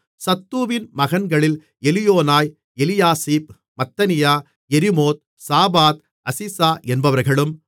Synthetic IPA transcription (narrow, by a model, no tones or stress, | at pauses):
sɐt̪ːuːʋɪnmɐɣɐnɡɐɭɪl | ɛlɪjoːnaːj | ɛlɪjaːsiːp̚ | mɐt̪ːɐnɪjaː | ɛɾɪmoːt̪̚ | saːbaːt̪̚ | ɐsɪsaːʔɛnbɐʋɐɾɣɐɭɯm